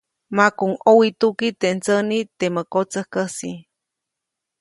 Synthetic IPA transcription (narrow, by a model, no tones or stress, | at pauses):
makuŋowit̪ukit̪eʔnt͡sənit̪eməkot͡səhkəsi